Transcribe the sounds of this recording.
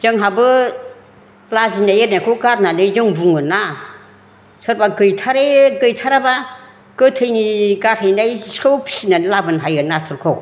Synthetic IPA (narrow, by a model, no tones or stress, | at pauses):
d͡ʒɯŋɦabɯ | lazinajeɾnakʰɯwkaɾnanɯjzɯŋbuŋɯna | sɯɾbaɡɯjtʰaɾeɡɯjtʰaɾaba | kɯtʰɯjniɡatʰɯjnajskʰɯwpʰi̥sinanilabɯnɦajɯnatʰuɾkʰow